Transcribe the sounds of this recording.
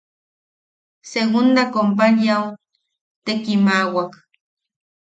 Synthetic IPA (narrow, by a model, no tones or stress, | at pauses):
seɣund̪akomp̬aʎjaw | t̪ekimawak